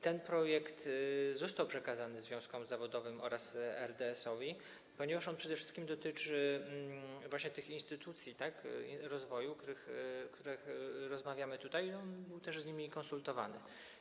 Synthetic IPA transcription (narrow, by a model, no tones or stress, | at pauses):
t̪ɛnpɾɔjɛkt̪zɔst̪awpʂɛkazanɘzvʲjɔ̃w̃skɔ̃mzavɔd̪ɔvɘmɔ̰ɾasɛɾd̪ɛːsɔvʲi | pɔɲeɛvaʂɔnpʂɛd̪ɛfʂɘ̥st̪kʲimd̪ɔt̪ɘt͡ʂɘ | vwaɕɲɛt̪ɘxinst̪ɘt̪ut̪sʲjit̪akḭɾɔzvɔjukt̪uɾɘxkt̪uɾɛxɾɔzmavʲjamɘt̪ut̪ajɔnbɘwt̪ɛʐzɲimʲikɔnsult̪ɔva̰nɘ̰